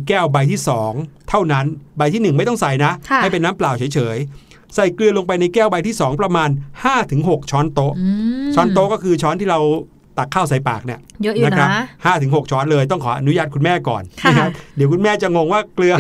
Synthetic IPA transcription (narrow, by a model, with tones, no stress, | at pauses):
kɛː˥˩wba˧jt̪ʰiː˥˩sɔː˩˦ŋt̪ʰa˥˩wna˦˥nba˧jt̪ʰiː˥˩nɯ˨˩ŋma˥˩jt̪ɔ˥˩ŋsa˧˩jna˦˥ʔʰa˥˩pe˧nːaː˦˥mplaː˨˩wt͡ɕʰɤ˩˦jt͡ɕʰɤː˩˦j | sa˨˩jklɯ˧ɐlo˧ŋpa˧jna˧jkɛː˥˩wba˧jt̪ʰiː˥˩sɔː˩˦ŋpɾa˧maː˧nhaː˥˩t̪ʰɯ˩˦ŋɦo˨˩k̚t͡ɕʰɔː˦˥nt̪o˦˥ʔt͡ɕʰɔː˦˥nt̪o˦˥kɔː˥˩kʰɯː˧t͡ɕʰɔː˦˥nt̪iː˥˩ɾa˧w | t̪a˨˩kʰːaː˥˩wsa˨˧˦jpa̰ː˨˩k̚ni˥˩ɐ˦˥na˦˥kʰɾa˦˥phaː˥˩t̪ʰɯ˩˦ŋɦo˨˩k̚t͡ɕʰɔː˦˥nlɤː˧jt̪̬ɔ˥˩ŋkʰɔː˩˦ʔa˧nu˦˥jaː˥˩t̪̚kʰu˧nmɛː˥˩kɔ̰ː˨˩nʰa˦˥˧a˦˥di˨˩˦əkʰu˧nmɛː˥˩t͡ɕa˨˩ŋo˧ŋwaː˥˩klɯ˧ɐ